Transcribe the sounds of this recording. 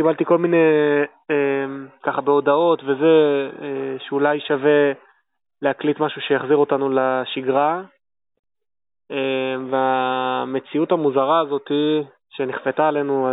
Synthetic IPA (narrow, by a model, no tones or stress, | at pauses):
kibalt̪iko̞lmine̞ | emkaχabeo̞dao̞t̪ve̞ze̞eʃeulajʃave̞ | lehaklitmaʃuʃejaχziʁo̞tanulaʃiɡʁa | eveame̞t͡siutamuzaʁaːzo̞t̪i | ʃe̞niχfe̞taːle̞nua